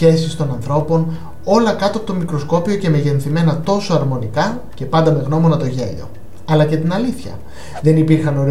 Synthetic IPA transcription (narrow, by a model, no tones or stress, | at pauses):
e̞sist̪o̞nɐnθɾo̞po̞n | o̞lɐkɐt̪uɐpo̞t̪o̞mikɾo̞sko̞pio̞ce̞me̞ʝe̞nθime̞nɐt̪o̞soɐɾmo̞nikɐ | ce̞pɐnd̪ɐme̞ɣno̞mo̞nɐt̪o̞ʝe̞̰ʎo̞̰ | ɐlɐcet̪inɐliθçɐ̰ | ðe̞nipiɾxɐno̞ɾi